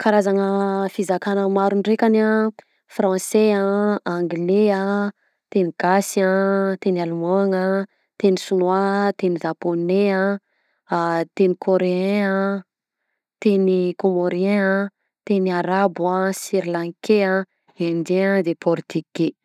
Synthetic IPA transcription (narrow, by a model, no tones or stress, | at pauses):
kʰaɾazaŋəfizakanəmaɾunrekʲana | frɑ̃seaaŋɡleə | t̪eniɡ̥asat̪enialumaŋə | t̪enisunwat̪eniʒaponeə | t̪enikʰoɾeɛ̃ə | t̪enikomoɾeɛ̃ | t̪eniaɾabasiɾlaŋkeã | end͡ʒead̪epʰɔɾit̪ike